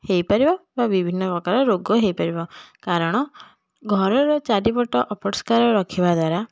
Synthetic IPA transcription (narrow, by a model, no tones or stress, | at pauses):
hejpaɾibɔbabibʱinːɔpɔkaɾɔɾoɡɔɦejpaɾibɔkaɾɔɽ̃ɔ | ɡʱɔɾɔɾɔt͡ʃaɖipɔʈɔʔɔpɔɾskaɾɔɾɔkʰibad̪waɾa